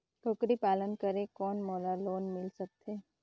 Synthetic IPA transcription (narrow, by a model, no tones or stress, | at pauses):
kʰʊkɾipaːlənkəɾekɔːnmoːlaloːnmɪlsək̚t̪ʰeː